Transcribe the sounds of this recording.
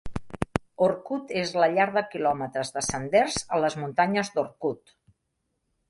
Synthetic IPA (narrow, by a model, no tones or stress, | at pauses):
oɾkut̪ezləʎaɾðəkilɔmət̪ɾəzðəsənd̪erzələzmunt̪aɲəzd̪oɾkut̪